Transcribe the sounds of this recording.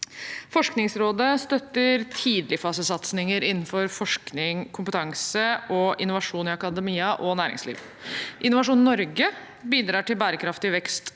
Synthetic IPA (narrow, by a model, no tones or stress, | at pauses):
fɔʂknɪŋsɾoːd̪əst̪œt̪ːəɾt̪ʰiːd̪lɪfɑːsəsɑt̪snɪŋəɾɪnːn̩fɔɾfɔʂknɪŋkʰʊmpət̪ʰɑŋsəʔɔʔɪnʊʋɑʂuːnɪɑkɑd̪əmiːəʔɔnæːɾɪ̰ŋslḭːʋ | ʔɪnʊʋɑʂuːnnɔɾɡə | biːd̪ɾɑːʈɪlbæːɾəkʰɾɑft̪ɪʋɛkst̪